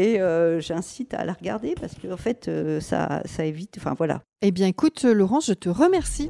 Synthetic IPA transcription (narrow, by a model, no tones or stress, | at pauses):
eøʒɛ̃sit̪a̰laʁɡa̰ʁd̪epaʁsə̥kəɑ̃fɛt̪ʰøsa̰saevit̪ɑ̃fɛ̰̃vwala̰ | ebjɛ̃ekut̪lɔʁɑ̃sʒət̪əʁəmɛʁsi